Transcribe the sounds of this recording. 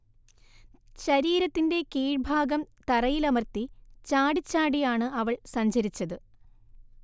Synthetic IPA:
ɕɐɾiːɾɐt̪ːinde̞keːɻbʱaːɡɐmt̪ɐrɐjilɐmɐrt̪ːit͡ɕaːɽit͡ɕːaːɽijaːɳɨɐʋɐɭsɐɲd͡ʑɐɾit͡ɕːɐðɨ

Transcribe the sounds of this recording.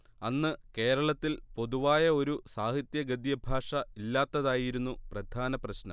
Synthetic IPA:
ɐnːɨke̞ːɾɐɭɐt̪ːilpo̞ðuʋaːjɐo̞ɾusaːhit̪jɐɡɐd̪jɐbʱaːʂɐilːaːt̪ːɐðaːjiɾunːuprɐd̪ʱaːnɐprɐɕnɐ̰m

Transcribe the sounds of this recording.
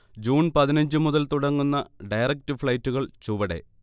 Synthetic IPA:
d͡ʑuːnpɐðinɐɲd͡ʑɨmuðɐlt̪uɽɐŋːunːɐɖɐjrɐk̚tɨfɭɐjtːuɣɐɭt͡ɕuʋɐɽe̞̰

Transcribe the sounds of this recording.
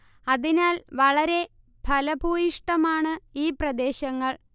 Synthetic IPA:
ɐðinaːlʋɐɭɐɾe̞ | bʱɐlɐbʱuːjiʂʈɐmaːɳɨiːprɐd̪e̞ːɕɐŋːɐɭ

